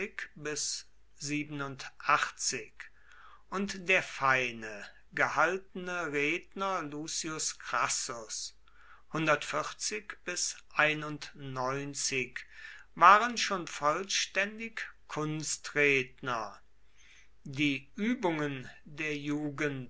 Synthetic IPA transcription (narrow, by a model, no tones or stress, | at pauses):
ɪkbɪs | z̥iːbənʊntʔaχt͡sɪk | ʔʊntdeːɐfaɪnə | ɡəhaltənəʁeːdnɐluːsiʊskʁ̥asʊs | hʊndɐtfɪχt͡sɪkb̥ɪsʔaɪnʊntnɔʏnt͡sɪk | vaːʁənʃoːnfɔlʃtɛndɪkkʰʊnstʁeːdnɐ | diːʔyːbʊŋəndeːɐjuːɡənt